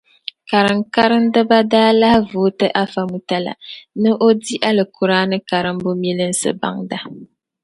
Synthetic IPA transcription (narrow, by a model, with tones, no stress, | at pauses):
ka˨ɾɨ˨ŋ˨ka˦ɾɨ˦n˦dɨ˦ba˦daː˦la˦hvuː˨˦tɨ˦ʔa˦fa˦mu˨ta˦la̰˨nɨ˦ʔo˦di˦ʔa˦lɨ˨ku˨ɾaː˦nɨ˦ka˨ɾɨ˦m˦bʊ˦mi˦lɨ˦n̩˦sɨ̰˨ba̰˦ŋda˦